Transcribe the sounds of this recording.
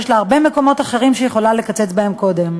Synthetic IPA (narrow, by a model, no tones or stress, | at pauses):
ʃleaʁbe̞me̞ko̞mo̞t̪aχe̞ʁimʃejeχo̞lale̞kat͡se̞t͡sbae̞mko̞d̪e̞m